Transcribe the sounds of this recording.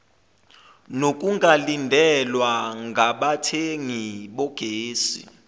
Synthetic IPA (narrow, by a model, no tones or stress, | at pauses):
nok̬ʼuŋʱalindʱɛlwaŋʱaɓatʰeŋiɓɔɡ̥ʱeːsḭ